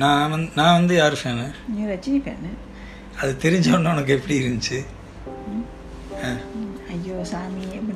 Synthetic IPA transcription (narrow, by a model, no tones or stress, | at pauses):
nãːʋɐnãːʋɐnd̪ɯjaːɾɯfeːnɐɾɐt͡ʃːɪnɪkːḛːnɐ | ɐðɯt̪ɛɾɪɲd͡ʒɐːʋɐɳːɯɔnɐk̬ːɯɛpːɐɽiɪɾɯnd̪ɯt͡ʃːɯ | aːɐjːoːsaːmiɛpː